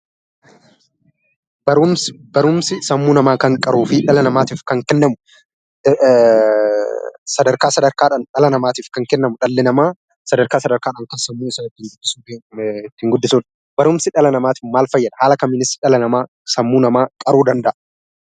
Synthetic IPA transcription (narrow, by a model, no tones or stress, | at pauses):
b̥ɐɾʊmbɐɾʊmsɪsɐmːuːnɐmaːkɐŋkʼɐɾuːfɪᶑɐlɐnɐmaːt̪iːfkɐŋkɛnːɐmʊ | sɐd̪ɐɾkaːsɐd̪ɐɾkaːᶑɐnᶑɐlɐnɐmaːt̪iːfkɐŋkɛnːɐmʊᶑɐlːɛnɐmaː | sɐd̪ɐɾkaːsɐd̪ɐɾkaːᶑɐːŋkɐsɐmːuːɪsɐnɪt̪ːɪŋɡʊd̪ːɪsuːt̪ːɪŋɡʊd̪ːɪsuːᶑ̪ | bɐɾʊmsɪᶑɐlɐnɐmaːt̪ɪːfmaːlfɐjːɐd̪ɐhaːlɐkɐmːɪnɪsᶑɐlɐnɐmaː | sɐmːuːnɐmaːkʼɐɾuːd̪ɐnd̪ɐʔɐ